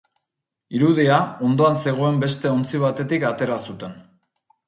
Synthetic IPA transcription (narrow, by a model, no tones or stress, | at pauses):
iɾuð̞iao̞nd̪o̞anse̞ɣ̞o̞e̞mbe̞st̪e̞o̞nt͡siβ̞at̪e̞t̪ikat̪e̞ɾasut̪e̞n